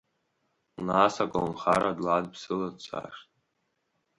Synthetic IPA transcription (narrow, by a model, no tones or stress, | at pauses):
naːsakʷʼawnχaɾʔadladpsɨlat͡sʰʼa̰ːʂtʼ